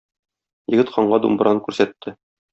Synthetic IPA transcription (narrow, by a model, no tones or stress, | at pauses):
jɘ̆ɡɘ̆t̪qʰɑɴɢɑd̪ṵmbɾɑnkʉɾsæt̪ʰːɘ